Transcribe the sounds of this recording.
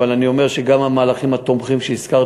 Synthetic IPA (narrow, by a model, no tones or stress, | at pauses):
alanio̞me̞ʁʃeɡamamaːlaχimhat̪o̞mχimʃeiskaʁ